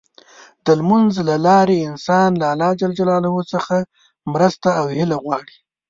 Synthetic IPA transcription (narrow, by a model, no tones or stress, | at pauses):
d̪̥əlmʊnzlalɑɾeɪnsɑnlaːlɑd͡ʒald͡ʒalɑlahosəxa | mɾəst̪aːwhɪlaɣwɑɽi